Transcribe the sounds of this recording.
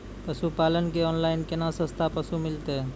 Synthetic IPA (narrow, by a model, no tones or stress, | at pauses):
pəsupalənkeɔːnlaɪnkenasə̃st̪ʰapəsumɪlt̪e